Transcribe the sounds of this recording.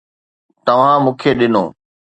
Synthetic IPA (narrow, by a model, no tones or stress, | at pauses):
t̪ɐʋ̤ãmũːkʰeɗɪno̰ː